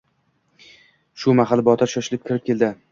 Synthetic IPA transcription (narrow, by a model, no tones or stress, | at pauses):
ʃʊmaχalbɒt̪ʰɪɾʃɒʃɪlɪp̚kʲʰɪɾɪp̚kʲe̞lˠd̪ɪ